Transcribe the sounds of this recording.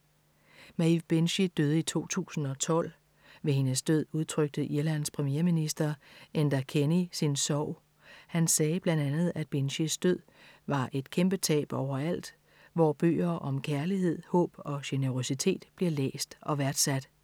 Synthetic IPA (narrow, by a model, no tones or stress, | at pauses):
mæiʋb̥enɕid̥øð̞ˠəit͡sʰo̝̰ːt͡sʰṵːsn̩ɒ̽t͡sʰɒ̽l̰ | ʋe̝he̝nəsd̥øð̰ˠuð̞ˠt͡sʰʁœɡ̥̚d̥əʔiɐlæn̰spʰʁɛmjeɐminisd̥ɐend̥ɐkʰenisinsɒʊ̰ | hænsɛːb̥lænd̥ænð̞̩ˠæd̥̚b̥enɕisd̥øð̰ˠʋɑ̈ʔe̝d̥kʰemb̥ət͡sʰɛ̰ːb̥ɒʊ̰ɐæl̰d̥ | ʋɒb̥ø̰ːɐʔɒ̽mkʰæɐlihe̝ð̞̰ˠhɔ̰̽ːb̥ɒ̽ɕenəʁo̝sit͡sʰe̝̰ːd̥b̥liɐlḛːsd̥ɒ̽ʋæɐd̥sæd̥